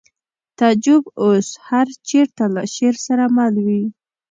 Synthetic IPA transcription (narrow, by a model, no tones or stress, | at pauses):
t̪ɑd͡ʒʊboshaɾt͡ʃeɾt̪alaʃeɾsaɾamalwi